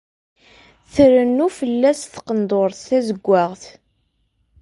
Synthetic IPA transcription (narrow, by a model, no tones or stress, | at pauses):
θəɾənːufəlːæsθqənd̪ˤoɾθθæzəɡʷːaʁθ